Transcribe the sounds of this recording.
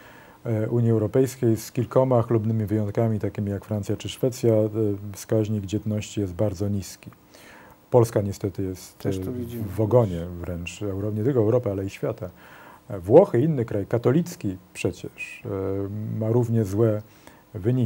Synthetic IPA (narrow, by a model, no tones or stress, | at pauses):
uɲjiɛwɾɔpɛjskʲejskʲilkɔmaxlubnɘmʲivɘjɔ̃nt̪̚kamʲit̪akʲimʲijakfɾant̪ʲjat͡ʂɘʂfɛt̪sʲjafskaʑɲiɡd͡ʑɛd̪nɔɕt͡ɕijɛst̪̚baɾd̪zɔɲiskʲi | pɔlskaɲɛst̪ɛt̪ɘjɛst̪ | vɔɡɔɲɛvɾɛnt͡ʂɛwɾɔɲɛt̪ɘlkɔɛwɾɔpɘalɛiɕfʲjat̪a | vwɔxɘinːɘkɾajkat̪ɔlʲit̪skʲipʂɛt͡ɕɛʂ | maɾuvɲɛzwɛ | vɘɲi